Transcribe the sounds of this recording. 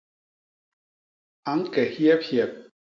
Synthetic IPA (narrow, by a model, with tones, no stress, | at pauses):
a˨˦ŋkɛ˨hjɛ˦phjɛ˨p̚